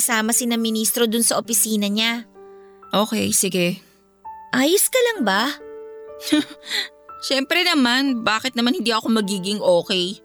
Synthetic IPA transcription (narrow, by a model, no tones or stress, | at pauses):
saːmɐsɪnɐŋmɪniːst̪ɾo̞d̪ʊnsɐʔopɪsiːnɐɲa | ʔo̞ːkɛjsɪɡɛ | ʔaːjʊskɐlɐŋbɐ | ʃɛmpɾɛnɐmanbaːkɪt̪nɐmanhɪnd̪iːʔɐko̞mɐɡiːɡɪŋʔoːkɛj